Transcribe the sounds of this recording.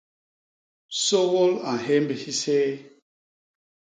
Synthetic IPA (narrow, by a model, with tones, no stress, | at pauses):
so˦ɣo˦la˨n˨ɦe˦mbe˨si˦seː˦